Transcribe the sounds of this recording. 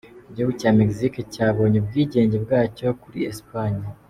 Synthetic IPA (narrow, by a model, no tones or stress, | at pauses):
ɟoɡucaːmekzikecaːβo̞ːɲeb̚ɡiːɟe̞ːɲɟe̞bɡaːco̞kuɾḭespaɲa